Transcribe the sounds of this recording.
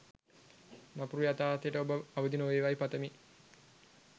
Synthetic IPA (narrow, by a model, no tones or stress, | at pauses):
napuɾujat̪aːt̪əjəʈəobəaʋəd̪inoʋeːʋajpat̪əmi